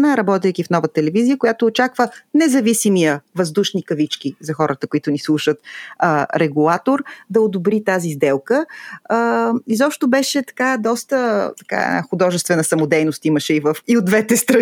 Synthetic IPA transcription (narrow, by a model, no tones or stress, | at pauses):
naɾɐbɔt̪ɛjk̟ifnɔvət̪ɛlɛvizijəkojat̪oːt͡ʃakvənɛzɐvisimijəvɐzd̪uʃnikɐvit͡ʃkizɐxɔɾət̪əkoit̪ʊnislˠuʃət̪ | ɾɛɡulˠat̪oɾd̪ɐod̪obɾit̪azizd̪ɛlˠkəː | izɔpʃt̪obɛʃɛt̪ɐ̥kad̪ɔst̪ət̪ɐka̰ɛ̰na̰xʊd̪ɔʒɛst̪vɛnəsɐmod̪ɛjnost̪iməʃɛivəfiod̪vɛt̪ɛst̪ɾɐ